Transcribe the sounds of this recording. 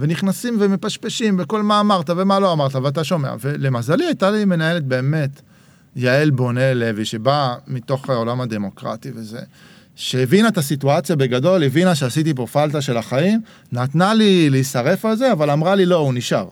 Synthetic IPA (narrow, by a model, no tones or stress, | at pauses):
ve̞niχnasimveme̞paʃpeʃimbeko̞lmaːmaʁt̪ave̞malo̞amaʁt̪aveat̬aʃo̞me̞a̰ve̞le̞mazaliajt̪alime̞naele̞t̪̚be̞ːme̞t | jaelbo̞ne̞le̞viʃe̞bamit̪o̞χolamad̪e̞mo̞kʁa̰t̪ive̞ze̞̰ | ʃeevinat̪asituat͡sjabe̞ɡado̞levinaʃeasit̪̬ip̬o̞falt̪̬aʃe̞laχaim | nat̪naliliisaʁe̞falze̞avalamʁalilo̞uniʃa̰ʁ